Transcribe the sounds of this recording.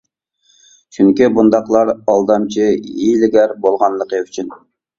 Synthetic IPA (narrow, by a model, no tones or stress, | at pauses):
t͡ʃʰyŋkʲibund̪ɑqlˠɑɾɑlˠd̪ɑmt͡ʃʰiilɪɡʲæɾbolˠʁɑnlˠəqəyt͡ʃʰyn